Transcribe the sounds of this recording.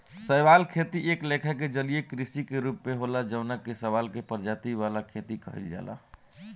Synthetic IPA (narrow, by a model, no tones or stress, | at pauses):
səjʋalkʰet̪iʔeklekʰaked͡ʒəlijekɾisikeɾupmeɦolad͡ʒəʊnakesəʋalkepəɾd͡ʒat̪iʋalakʰet̪ikə̰ɦḭld͡ʒa̰ːla̰